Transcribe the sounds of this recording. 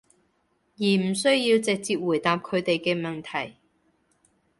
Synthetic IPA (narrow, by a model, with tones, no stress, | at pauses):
jiː˨˩m̩˨˩sɵ˥ɥjiː˧wt͡sɪ˨k̚t͡siː˧p̚wu˨˩jt̪aː˨p̚kʰɵ˨˧ɥt̪e˨jkɛ˧mɐ˨nt̪ʰɐ˨˩j